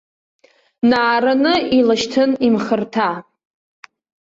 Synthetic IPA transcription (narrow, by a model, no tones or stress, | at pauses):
naːɾanɨilaʃtʰɨnimχərtʰa